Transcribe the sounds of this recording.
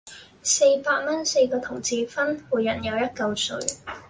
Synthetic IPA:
se˧jpaː˧t̚mɐ˥nse˧jkɔː˧t̪ʰʊ˨˩ŋt͡siː˨˧fɐ˥nwuː˨˩jːɐ˨njɐ˨˧wjɐ˥t̚kɐ˧wsɵ˧

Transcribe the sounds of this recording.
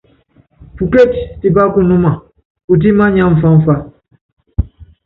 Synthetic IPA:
pu˨ke˦˨t͡ʃti˨ba˦ku˦˨nu˦ma˨ | u˨t̬i˦ma˦ɲã˦ɱ̩˨fa˦ɱ̩˦fa˦

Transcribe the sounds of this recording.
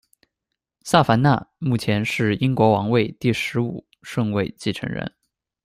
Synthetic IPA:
sa˥˩fa˧˥nna̰˥˧mu˥˩t͡ɕʰjɛ˧˥nʂɻ̩˥˩i˥ŋkwɔ˧˥wɑ˧˥ŋwe˥˧ɪt̪i˥˩ʂɻ̩˧˥ṵ˨˩ | ʂɤ˥˧ŋwe˥˧ɪt͡ɕi˥˩ʈ͡ʂʰɤ̰˧˥ŋɻə̰˧˥n

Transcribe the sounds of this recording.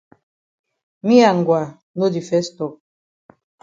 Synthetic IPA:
mi˦a˨ŋ˨ɡwa˨ | no˦di˨fɛ˦sto˨

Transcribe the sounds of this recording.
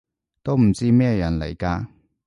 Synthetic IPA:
t̪o˥wm̩˨˩t͡siː˥mɛː˥˧jɐ˨˩nlɐ̰˨˩jkaː˧

